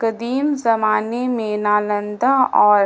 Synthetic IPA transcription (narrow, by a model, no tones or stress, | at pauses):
kɐd̪iːmzɐmaːnemẽnaːlə̃nd̪aɔːɾ